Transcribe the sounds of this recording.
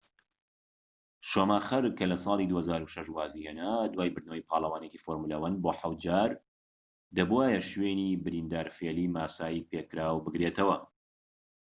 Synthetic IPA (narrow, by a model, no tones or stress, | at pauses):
ʃoːmaːxɐɾkɐlɐsˤɑːlˠiːd̪uːhɐzaːɾuʃɐʃwaːziːheːnaːd̪waːjbɨɾd̪nəwɐjpʰɑːlˠɐwaːnekifoɾmulɐwɐn̚boːħawt̪̚d͡ʒaːɾ | d̪ɐbuaːjɛʃweːniːbɨɾiːnd̪aːɾfeːliːmaːsaːjipekɾaːwbɨɡɾet̪ɐwɐ